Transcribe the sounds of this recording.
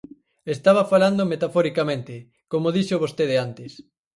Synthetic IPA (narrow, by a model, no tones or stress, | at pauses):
est̪aβ̞afaland̪omet̪afɔɾikamẽnt̪ɪ | komoðiʃoβost̪eðɪant̪ɪs